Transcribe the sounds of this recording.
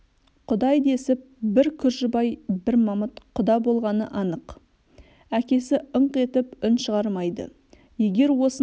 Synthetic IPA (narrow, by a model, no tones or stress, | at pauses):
qʰʊd̪ɑjd̪e̞sɪp̚bɪɾkʲʰʏɾʒɪbɑjbɪɾmɑmət̪qʰʊd̪ɑbo̞lˠʁɑnəʔɑnəq | ækʲe̞sɪəɴqe̞t̪ɪpʏnʃəʁɑɾmɑjd̪ə̰ | je̞ɡʲe̞ɾwo̞sə